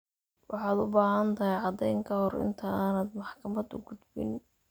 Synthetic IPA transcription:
wɑħɑːd̪ʊbaːhɐnt̪ʰɐɦɛjʕɑd̪ɛjŋkʰɐhɔrɪ̰nt̪ʰɐaːnaːd̪mɑħkʰɐmɐd̪ʊ̰ɡʊd̪bɪ̰n

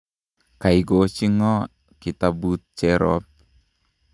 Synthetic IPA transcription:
kaiɡot͡ʃiŋɔ | kitabut̚t͡ʃɛɾɔ̰p̚

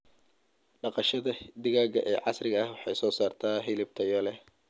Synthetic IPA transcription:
ɖɑqɑʃɐðɐd̪ɪɣaːɡɐʔɛːʕɑsrɪɣɐɐhwɑħɑjsɔːsaːrt̪ʰaːɦɪlɪb̚t̪ʰɐjɔlɛh

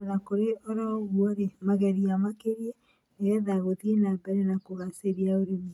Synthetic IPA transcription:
ɾakoɾeɔɾaoɣwɔɾemaɣɛɾiamakeɾiɛ | eɛðaɣoðienabɛɾɛnakoɣaseɾiaoɾemu

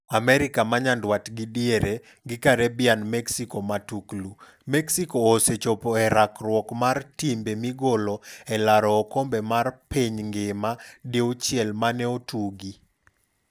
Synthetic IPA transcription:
amɛɾikamaɲandwatɡidjeɾe | ɡɪkaɾɛbɪanmɛksikɔmatuklu | mɛksikɔːset͡ʃɔpɔɛɾakɾwɔkmartimbemiɡolɔɛlaɾɔːkombɛmarpeɲŋɡɪmadeot͡ʃjɛlmanɛotuɡi

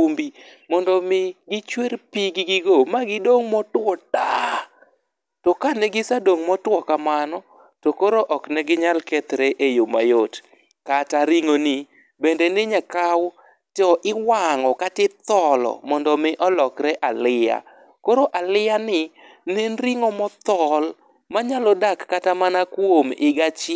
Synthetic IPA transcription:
umbimɔndɔmɪɡɪt͡ʃweɾpiɡɪɡɪɡomaɡɪdoŋmɔtwɔta | tɔkanɛɡɪsadoŋmɔtwɔkamanɔ | tokoɾoʔɔknɛɡɪɲalkɛt̪ɾeʔejoma̰jot | kataɾiŋoni | bendenɪɲakaw | tɔʔɪwaŋɔkatɪt̪ɔlɔ̰mɔndɔmɪʔɔlɔkɾɛʔalɪja̰ | koɾoʔalɪjanɪ | nenɾiŋɔmɔt̪ɔl | maɲalɔdakːatamanakwomɪɡat͡ʃɪ

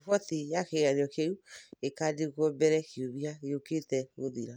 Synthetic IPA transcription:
fɔtijakeɣaɾeɔkeuekadeɣwɔbɛɾɛkijoβiaeoketɛmoðiɾa

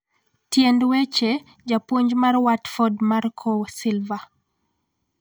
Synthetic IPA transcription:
tjendwet͡ʃe | d͡ʒapwoɲd͡ʒmarwatfɔdmarkʰɔsilva

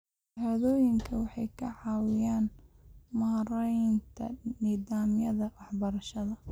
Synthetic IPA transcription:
haːðɔːjɪŋkʰɐwɑħɑjkʰɐʕɑːwɪjaːnmaɾɛjnt̪ʰɐ̰niːðaːmjɐðɐwɑħbɐɾɐʃɐðɐ

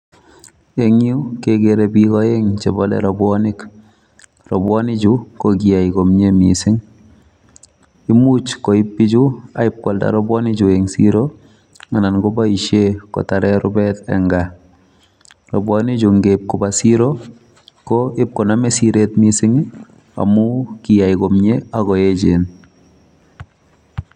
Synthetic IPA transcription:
eŋjukekeɾɛbikɔeŋt͡ʃebɔlɛ̰ɾɔbwɔnɪk | rɔbwɔnɪd͡ʒukoɡiaikomɲemḭsɪŋ | imut͡ʃkoɪpːid͡ʒuaɪp̚kwɔlda̰ɾɔbwɔnid͡ʒueŋsḭɾo | ananɡɔbaiʃekɔ̰taɾɛɾʊ̰bɛtɛ̰ŋɡa | rɔbwɔnid͡ʒuŋɡep̚kɔbasiɾo | kɔɪp̚kɔnamɛsiɾetmisɪŋ | a̰mʊkijaikɔmɲeaɣɔjed͡ʒen

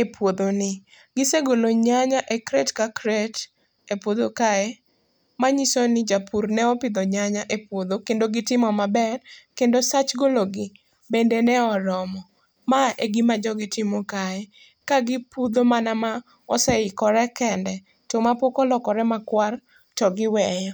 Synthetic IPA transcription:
epwod̪onɪ | ɡɪseɡoloɲaɲaʔekɾetkakɾet | epod̪okaɛ | maɲisɔnɪd͡ʒapurnɛɔpɪd̪ɔɲaɲaʔepwod̪okendoɡɪtɪmɔmabɛrkendosat͡ʃɡoloɡɪ | bendenɛɔɾɔmɔ | maʔeɡɪmad͡ʒɔɡɪtɪmɔkaɛ | kaɡɪpud̪omanama | ɔsɛɪkɔɾɛkɛndɛ | tɔmapokɔlɔkɔɾɛmakwar | tɔɡɪwɛjɔ

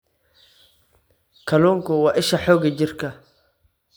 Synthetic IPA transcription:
kʰɐlɔːŋkʰʊwɑːʔɪʃɐħɔːɣɐt͡ʃɪrkʰɐ

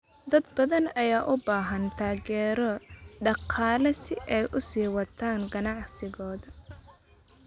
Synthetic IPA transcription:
d̪ɐd̪bɐðɐnɐjaːʔʊbaːɦɐnt̪ʰaːɣɛːɾɔɖɑqʰɑːlɐsɪʔɛjʔʊsiːwɑt̪ʰaːŋɡɐnɑʕsɪɣɔːðɐ

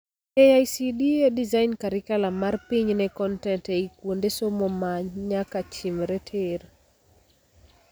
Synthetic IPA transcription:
ɛajsidiedizainkaɾɪkalamarpiɲnɛkɔntɛnteikwondesomomaɲɲakat͡ʃimɾɛtʰer

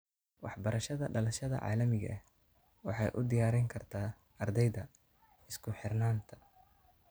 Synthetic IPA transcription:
wɑħbɐɾɐʃɐðɐɖɐlɐʃɐðɐ̰ʕɑ̰ːlɐmɪɣɐ̰ʔɛ | wɑħɑjʔʊ̰d̪ɪjaːɾɛŋkʰɐrt̪ʰaː | ɐrd̪ɛjðɐ | ɪskʰʊħɪrnaːnt̪ʰɐ̥

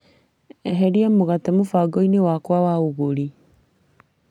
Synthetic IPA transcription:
ɛɦɛɾiamoɣatɛmofaɡɔinewakwawaoɣoɾi

